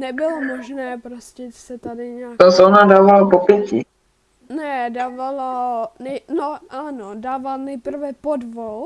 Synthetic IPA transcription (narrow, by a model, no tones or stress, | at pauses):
nɛbɪlomoʒnɛːpɾoscɛsɛt̪adɪɲaːkt̪osoonadaːvalapopjɛcɪ | nɛdaːvalanɛjnoʔanodaːvalnɛjpr̩vɛpodvol